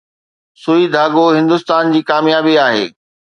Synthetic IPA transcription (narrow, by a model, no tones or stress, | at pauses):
suid̪ʱaːɡoɦɪ̃nd̪ʊst̪aːnd͡ʑiːkaːmjaːbiaːɦḛː